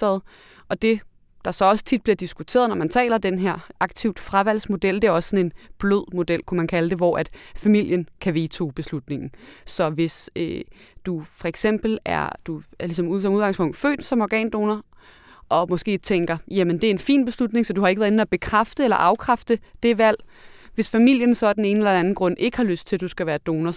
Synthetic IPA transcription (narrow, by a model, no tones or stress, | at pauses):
ɛðˠ | ʔɒ̽d̥e̝ | d̥ɑ̈sɒ̽ɒ̽sə̥t͡sʰid̥̚b̥liɐd̥isɡ̥ut͡sʰe̝̰ːɐð̩ˠnɒmænt͡sʰɛ̰ːlɐd̥enɦeɐ̰ʔɑ̈ɡ̥̚t͡sʰiʊd̥fʁaʋæl̰smo̝d̥el̰d̥e̝æɐɒ̽sə̥sɒ̽ne̝nb̥løð̰ˠmo̝d̥el̰kʰumænkʰæləd̥e̝ʋɒæd̥fæmil̰jənkʰæʋe̝ːt͡sʰo̝b̥e̝slud̥ne̝ŋn̩sɒ̽ʋe̝sød̥ufɒ̽eɡ̥sem̰b̥l̩æɐd̥uæɐlis̬ɒ̽muð̰ˠsɒ̽muðˠɡ̥ɑ̈ŋspʰɔ̽ŋ̰d̥fø̰ːd̥sɒ̽mɒɡ̥ɛ̰ːnd̥o̝ːnɐ | ʔɒ̽mɒ̽sɡ̥e̝̰ːt͡sʰeŋɡ̥ɐjæmənd̥e̝æɐe̝nfḭːnb̥e̝slud̥ne̝ŋsɒ̽d̥uhɑ̈e̝ɡ̥ʋæɐðˠen̩æb̥e̝kʰʁafd̥əelɐʔɑ̈ʊkʰʁafd̥əd̥e̝ʋæl̰ʋe̝sfæmil̰jənsɒ̽æd̥ene̝ːnəelɐdeæn̩ɡ̥ʁɔ̽n̰ʔe̝ɡ̥əhɑ̈løsd̥̚t͡sʰe̝ld̥usɡ̥æʋæːɐd̥o̝ːnɐ